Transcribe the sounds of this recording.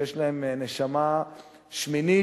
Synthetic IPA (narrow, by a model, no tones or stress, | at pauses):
eʃlahemneʃama | ʃmini